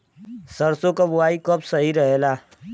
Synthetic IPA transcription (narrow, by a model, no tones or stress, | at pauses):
səɾsõkabʊwaːikəpsəɦiɾəɦelaː